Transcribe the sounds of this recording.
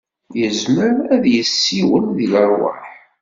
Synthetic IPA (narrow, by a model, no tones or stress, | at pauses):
jəzməɾæðjəsːiwənðiləɾˤwə̰ħ